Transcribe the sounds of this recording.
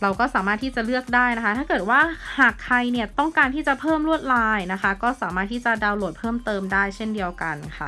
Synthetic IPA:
ɾa˧wkɔː˥˩saː˩˦maː˥˩t̪ʰiː˥˩t͡ɕa˨˩lɯ˥˩ək̚daː˥˩jna˦˥kʰa˦˥t̪ʰaː˥˩kɤː˨˩t̪̚waː˥˩haː˨˩kʰːa˧jni˥˩ɐt̪ɔ˥˩ŋkaː˧nt̪ʰiː˥˩t͡ɕa˨˩pʰɤː˥˩mɾu˥˩ət̪̚laː˧jna˦˥kʰa˦˥kɔː˥˩saː˩˦maː˥˩t̪ʰiː˥˩t͡ɕa˨˩daː˧wloː˨˩t̪̚pʰɤː˥˩mt̪ɤː˧mdaː˥˩jt͡ɕʰe˥˩ndi˧əwka˧nkʰa˥˩

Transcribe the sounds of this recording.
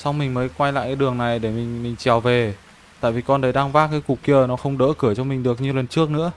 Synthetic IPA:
sa˧wŋ͡mmï˨˩ŋ̟məː˨˦jkwa˧jla̰ː˧˨kaː˨˦jɗɨ˨˩əŋna˨˩jɗe˧˩mï˨˩ŋ̟mï˨˩ŋ̟t͡ɕɛ˨˩wve˨˩ | t̪a̰ː˧˨jvi˨˩kɔ˧nɗə˨˦jɗaː˧ŋvaː˦˥kaː˨˦jku˨˩k̚kːi˧ə˨˩nɔ˨˦xə˧wŋ͡mɗəː˧˦kɨ˧˩ət͡ɕɔ˧mï˨˩ŋ̟ɗɨ˨˩ək̚ɲɨ˧wlə˨˩nt͡ɕɨ˦˥ək̚nɨ̰˧˥ə

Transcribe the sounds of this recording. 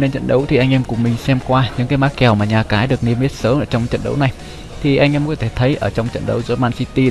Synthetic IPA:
ne˧nt͡ɕə̰˧˨nɗə˨˦wt̪ʰi˨˩ʔa˧ŋʔɛ˧mkʊ˨˩ŋ͡mmï˨˩ŋ̟sɛ˧mkwaː˧ɲɨ̰˧˥ŋkaː˨˦jmaː˦˥k̚kɛ˨˩wmaː˨˩ɲaː˨˩kaː˨˦jɗɨ˨˩ək̚ni˧m˦˥ət̚səː˨˦mʔəː˧˩t͡ɕɔ˧wŋ͡mt͡ɕə̰˧˨nɗə̰˨˦wna˨˩j | t̪ʰi˨˩ʔa˧ŋʔɛ˧mkɔ˨˦t̪ʰe˧˩t̪ʰə˨˦jʔəː˧˩t͡ɕɔ˧wŋ͡mt͡ɕə̰˧˨nɗə˨˦wzɔ˨˦maː˧nsi˧t̪i˧

